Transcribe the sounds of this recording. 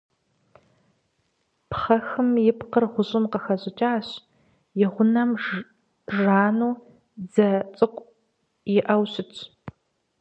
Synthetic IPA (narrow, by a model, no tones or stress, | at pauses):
pʰχɐxɨmjɪpqərʁʷʊʑʼɪmqəxɐʑʼɪt͡ʃʼaːɕ | jɪʁʷʊnɐm | ʒaːnuː | d͡zɐt͡sʼɨkʷʼ | jɪʔɐwɕɪtʰʼ